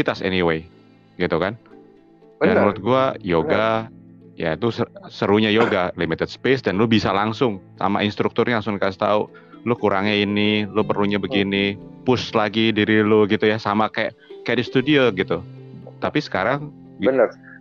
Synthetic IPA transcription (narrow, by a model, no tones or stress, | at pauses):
it̪asɛ̰niwe | ɡit̪ukan | bdannuɾʊt̪̚ɡuajoɡa | ja̰it̪usəsəɾuɲajoɡalimit̪əd̪̚spesdanlʊbisalaŋsʊŋsa̰ma̰ɪnst̪ɾuk̚t̪ʊrɲalaŋsʊŋkast̪au | lʊkuɾaŋɲainilʊpərluɲabəɡinipʊslaɡidiɾiloɡit̪ujasamakajaʔkadist̪udioɡit̪u | t̪apisə̥kaɾaŋ | ənər